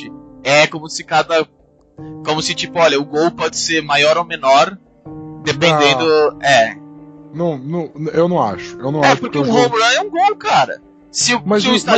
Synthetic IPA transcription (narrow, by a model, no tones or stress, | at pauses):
ɪɛkõmʊsɪkad̪ɐ | kõmʊsɪt͡ʃipʊɔʎʲɐʊɡowpɔd͡ʒɪseɾmajɔɾowmẽnɔɾ | d̪epẽnd̪ẽd̪ʊɛ | nɐ̃w̃nɐ̃w̃newnɐ̃w̃a̰ʃʊ̥ewnɐ̃waɛʃpʊɾkẽũhõblɐ̃ɛũɡowkaɾɐ̰ | sɪʊmɐzsɪʊst̪a